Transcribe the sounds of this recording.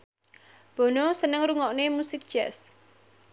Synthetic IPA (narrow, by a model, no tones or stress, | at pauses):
b̥ɔ̤nosənəŋruŋɔʔnemusɪk̚ʒ̥ɛs